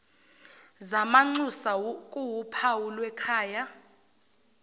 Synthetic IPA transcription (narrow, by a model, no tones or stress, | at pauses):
zamaŋ͡ǀusakʼuwupʰawulwɛkʰaːja